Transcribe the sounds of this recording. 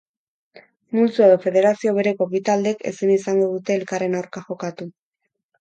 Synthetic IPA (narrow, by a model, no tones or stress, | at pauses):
mult͡sueðofe̞ðe̞ɾasio̞β̞e̞ɾe̞ko̞βit̪ald̪e̞ke̞̰sinisaŋɡo̞ðut̪e̞ːlkare̞nawɾkaxo̞kat̪u